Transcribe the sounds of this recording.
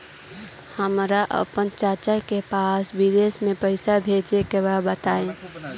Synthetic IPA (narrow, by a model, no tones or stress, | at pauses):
həmɾaʔə̰pənt͡ʃəɾt͡ʃakepasbid̪esmẽpəɪsabʱed͡ʒekebabət̪aẽ